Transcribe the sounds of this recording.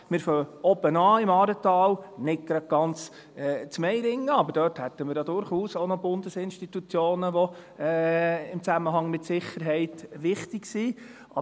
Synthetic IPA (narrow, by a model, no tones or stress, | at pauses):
mɪɾfœɔbənɑːɪmɑːɾət̪ɑːlnɪk̚ɡ̥ɾɑd̚ɡ̥ɑnt͡s | ɛːt͡smɛɪjɾɪŋːəɑbəɾdœːrthɛt̪ːəmɪːɾjɑd̪ʊɾχuːsoʊnɔb̥ʊnd̥̪əsɪnʃtit̪ut͡sjoːnəʋɔ | ɪmt͡sæməɦɑŋmɪtsɪχəɾɦɛɪt̪ʋɪχtɪksi | ʔɑ